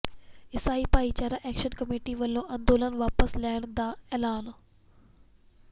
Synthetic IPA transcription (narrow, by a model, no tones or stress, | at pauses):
ɪsaːipaːit͡ɕaːɾaʔeːkʃənkɐmeːʈiʋɐlːõʔɐ̃nd̪oːlənʋaːpəslaːɪɽ̃d̪aːeːlaːn